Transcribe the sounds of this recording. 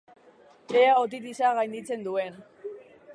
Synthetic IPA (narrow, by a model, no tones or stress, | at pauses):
eaot̪̬it̪̬isaɣajnd̪it͡se̞nd̪ue̞n